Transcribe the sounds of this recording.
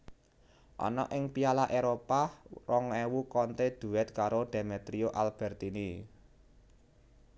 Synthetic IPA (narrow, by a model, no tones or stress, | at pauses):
ʔɔ̰nɔ̰ʔɪŋpialaʔeɾoparɔŋwewukɔnt̪ed̪̥ṳwɛt̪kaɾod̪̥e̤met̪ɾioʔalb̥ɛ̤rt̪ini